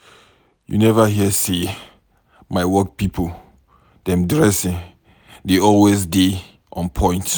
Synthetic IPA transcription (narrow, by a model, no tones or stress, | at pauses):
jṵnɛvaɦiəsi | maɪwɔk̚pipʰo | dɛ̃mdɹɛsɪ̃n | deɔlwezde | ʔɔ̰̃npʰɔ̃ɪ̃nt